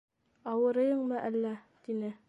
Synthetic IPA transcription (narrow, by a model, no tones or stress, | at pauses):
ɑwɤ̆ɾɤ̆jɤɴmɤʔælːæt̪inɘ